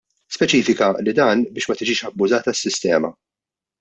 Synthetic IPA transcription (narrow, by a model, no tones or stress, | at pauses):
spɛt͡ʃiːfɪkɐlɪd̪ɐːnbɪːʃmɐt̪ɪd͡ʒiːʃɐbːʊzɐːt̪ɐsːɪst̪ɛ̰ːmɐ̰